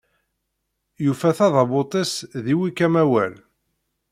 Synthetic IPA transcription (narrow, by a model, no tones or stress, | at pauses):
jufæθɑðɑbot̪ˤisðiwikæmæwæl